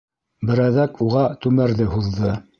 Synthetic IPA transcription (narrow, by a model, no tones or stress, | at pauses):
bɘ̆ɾæðækuʁɑt̪ʉmæɾðɘhuðːɤ